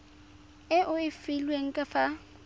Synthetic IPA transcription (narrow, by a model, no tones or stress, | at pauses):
ɪʔʊɪfɪlweŋ̩kʼafa